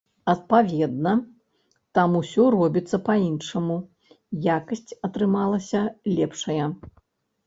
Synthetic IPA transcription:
ɐt̪̚pavʲɛd̪̚nɐ | t̪amusʲɔrɔbʲit̪sːɐpainʂɐmu | jakɐsʲt͡sʲɐt̪ɾɨmalˠɐsʲɐlʲɛpʂɐjɐ

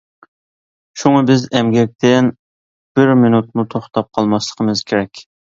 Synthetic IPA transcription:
ʃuŋɑbɪzɛmɡʲɛk̚ʲt̪ʰɪn | b̥ɪɾminut̪̚mut̪ʰoχt̪ʰɑp̚qʰɑlˠmɑslˠə̥qʰəmɨzkʲʰeɾɛkʲ

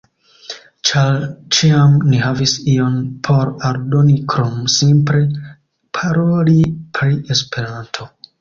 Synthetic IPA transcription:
t͡ʃaɾt͡ʃiamniɦavisio̞npʰo̞ɾaɾdo̞nikɾomsimpɾe̞ | pʰaɾo̞lipʰɾiʔe̞spe̞ɾantʰo̞

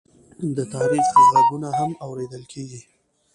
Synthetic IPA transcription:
d̪ət̪ɑɾixɣaɡunaɦamawɾed̪əlkʰeɡi

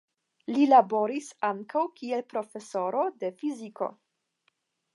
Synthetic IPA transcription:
lilabo̞ɾisaŋkawkie̞lpɾo̞fe̞so̞ɾo̞de̞fiziko̞̰

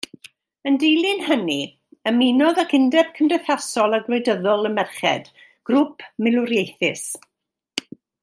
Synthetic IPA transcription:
əndejlˠɨnhəni | əminɔðakʰɪndɛb̥̚kʰəmdɛθasɔlˠaɡlɔɨdəðɔlˠəmɛrχɛ̰d̥ | ɡ̥rʊpʰmɪlˠʊɾjejθɪs

